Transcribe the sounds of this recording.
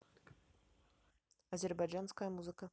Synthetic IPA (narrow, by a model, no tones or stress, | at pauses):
ɐzʲɛrbajʐanskɐjɐmuzɨkɐ